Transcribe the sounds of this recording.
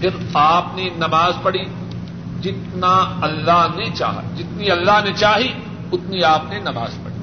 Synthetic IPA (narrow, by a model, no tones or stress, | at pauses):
pʰɪɾaːpnenɐmaːzpɐɽi | d͡ʒɪt̪naɐlːaɦnet͡ʃa̰ːɦa̰d͡ʒɪt̪niɐlːaɦnet͡ʃaːɦi | ʊt̪niaːpnenɐma̰ːzpɐ̰ɽi